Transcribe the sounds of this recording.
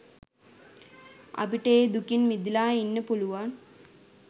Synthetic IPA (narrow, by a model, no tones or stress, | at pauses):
ɐ̰biʈːeːd̪ukinmid̪ilaːinːəpuluʋaːn